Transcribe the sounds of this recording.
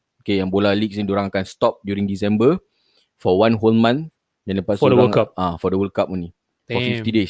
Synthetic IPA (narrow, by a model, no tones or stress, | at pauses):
okejãŋbolalik̚snidoɾaŋakanst̪ɔp̚djuɾĩŋdisɛ̃mbə | fɔwãnɦolmãn | dãndəpasodɾaŋkaafɔdəwəlkap̚oni | ɔ̃ift̪ides